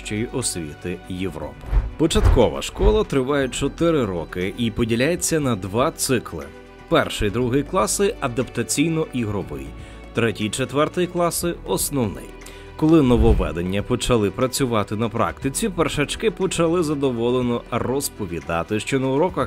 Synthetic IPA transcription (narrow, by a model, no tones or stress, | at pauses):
ʃt͡ʃɔjiʔɔsʲʋʲḭt̪ɪjeʋɾɔ̰pɪ̥pɔt͡ʃɐt̪kɔʋɐ̰ʃkɔlˠɐt̪ɾɪʋɑjɛt͡ʃɔt̪ɪɾɪɾɔkɪʔipɔdʲilʲajet͡sʲːɐnɐd̪ʋɑt̪sɪklˠɪ̰ | pɛrʃɪjd̪ɾuɦɪjklˠɑsɪɐd̪ɐpt̪ɐt͡sʲijnɔʔiɦɾɔbɪ̰jḭ | t̪ɾɛtʲijt͡ʃet̪ʋɛrt̪ɪjiklˠɑsɪɔsnɔwnɪ̰j | kɔlˠɪnɔʋɔʋɛ̰d̪enʲːɐpɔt͡ʃɐlˠɪpɾɐt͡sʲʊʋɑt̪ɪnɐpɾɑ̰kt̪ɪt͡sʲiperʃɐt͡ʃkɪpɔt͡ʃɐlˠɪzɐd̪ɔʋɔlˠenɔrɔspɔʋʲid̪ɑt̪ɪʃt͡ʃɔnɐʊɾɔkɐ